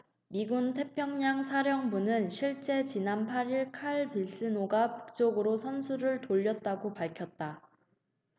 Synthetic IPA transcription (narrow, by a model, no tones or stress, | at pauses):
miɡuntʰe̞pʰjʌŋɲaŋsʰaɾjʌŋbunɯnɕʰiɭt͡ɕ͈e̞t͡ɕinanpʰaɾiɭkʰaɭpiɭs͈ɯnoɡapu̥k̚t͡ɕ͈oɡɯɾosʰʌnsʰuɾɯɭtoʎːʌt̚t͈aɡopaɭkʰjʌt̚t͈a